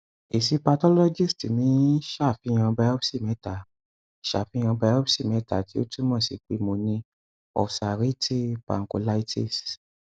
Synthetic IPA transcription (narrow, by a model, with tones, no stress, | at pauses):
e˨si˧pa˧tɔ˦lɔ˦d͡ʒi˦˨sti˨mĩ˨˦ʃa˦˨fi˨˧˦j̃ã˧bɛ˧˦ɔ˦psi˦˨mɛ̃˨˦ta˨ | ʃa̰˨fĩ˨˦ã˧bɛ˧˦ɔ˦psi˦˨mɛ̃˨˦ta˨ti˦o˦tu˦mɔ̃˦˨si˨k͡pe˨˦mo˧nĩ˧ | ɔ̰˨sa˨ɾi˦tʰi˦pa̰˨ŋ̩˨ko̰˧la˦i˦tʰi˦˨s